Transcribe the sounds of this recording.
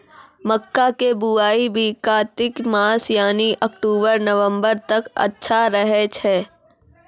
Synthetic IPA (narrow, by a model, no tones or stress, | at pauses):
məkːakebuaːibʱiːkaːt̪ɪkmaːsjaːniʔɐk̚ʈuːbəɾnɐʋə̃mbəɾt̪ɐkɐ̰tːʃʰaɾəɦet͡ʃʰɛː